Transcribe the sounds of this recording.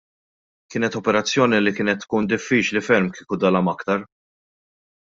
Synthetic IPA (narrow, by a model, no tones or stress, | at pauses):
kɪːnɛt̪ɔpɛɾɐt͡sːjɔːnilikɪːnɛt̪ːkuːnd̪ɪfːiːt͡ʃlifɛɾmkiːkud̪ɐlɐmɐkt̪ɐɾ